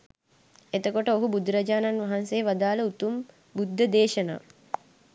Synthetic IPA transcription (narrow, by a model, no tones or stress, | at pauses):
et̪əkoʈəoɦubud̪ɾɐd͡ʒaːnanʋaɦansejʋad̪aːləut̪um | bud̪ʱːəd̪eːʃəna̰ː